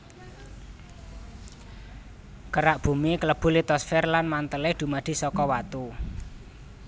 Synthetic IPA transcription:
kəɾaʔb̥ṳmikələb̥ṳlit̪ɔsfɛrlanmant̪əlɪd̪̥ṳmad̪̥i̤sɔkɔwat̪u

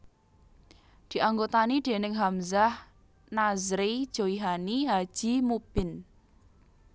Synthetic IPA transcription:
d̪̥i̤ʔaŋɡot̪anid̪̥e̤nɪŋɦamzah | nazɾid̥ʒ̥oiɦaniɦad̥ʒ̥i̤mub̥ɪn

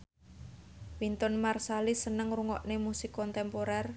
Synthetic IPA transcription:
wint̪ɔnmarsalisənəŋruŋɔ̰ʔnemusikɔnt̪ɛmpoɾɛr

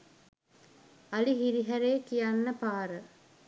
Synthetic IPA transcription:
aliɦiɾiɦæɾeːkijanːəpaːɾə

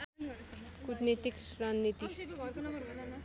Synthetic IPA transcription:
kutnet̪ikɾannit̪i

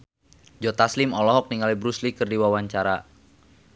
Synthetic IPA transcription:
d͡ʒɔt̪aslimɔlɔɦɔk̚niŋalibɾuslikərdiwawaɲt͡ʃaɾa

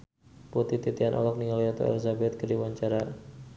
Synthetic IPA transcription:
put̪it̪it̪ianʔɔ̰lɔk̚niŋaljat̪o̰ɛ̰lizabɛt̪̚kədiwaɲt͡ʃaɾa

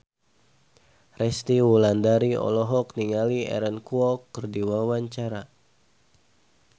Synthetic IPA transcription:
rɛst̪iwulandaɾiɔ̰lɔɦɔkniŋaliɛ̰ɾənkuɔkːərdiwawaɲt͡ʃaɾa

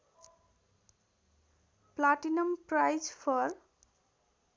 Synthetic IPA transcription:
plaʈinʌmpɾajzpʰɔɾ

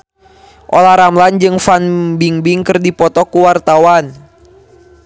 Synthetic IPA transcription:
ʔolahɾamland͡ʒɨŋfanbiŋbiŋkɨrdipɔt̪ɔkuwart̪awan

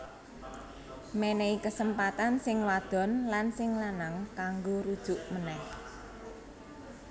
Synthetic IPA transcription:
meneikəsəmpat̪ansɪŋwad̪̥ɔ̤nlansɪŋlanaŋkaŋɡoɾud̥ʒ̥ʊ̤ʔmənɛh

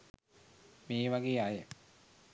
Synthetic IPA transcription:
meːʋaɡeːajə

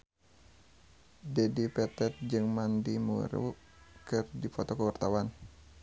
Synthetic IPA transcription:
dɛdipɛt̪ɛt̪̚d͡ʒɨŋmandimṵɾ̰ | kɨrdipɔt̪ɔkəwart̪awan

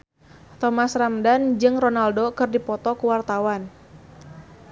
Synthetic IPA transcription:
t̪ɔmasramdand͡ʒɨŋronaldokɨrdipɔt̪ɔkuwart̪awan

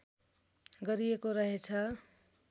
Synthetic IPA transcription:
ɡʌɾijekoɾʌɦet͡sʰʌ

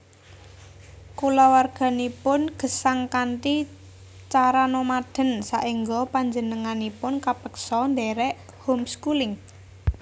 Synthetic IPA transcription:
kulɔwarɡ̥a̤nipʊnɡ̥ə̤saŋkant̪i | t͡ʃaɾanɔmad̪̥ə̤nsaʔiŋɡɔpaɲd͡ʒənəŋanipʊnkapəksɔnd̪ɛɾɛʔ | humskulɪŋ

